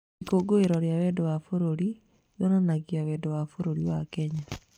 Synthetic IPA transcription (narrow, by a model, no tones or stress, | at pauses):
ikoɡoeɾɔɾjawɛdowafoɾoɾi | jɔnanaɣiawɛdowafoɾoɾiwakɛɲa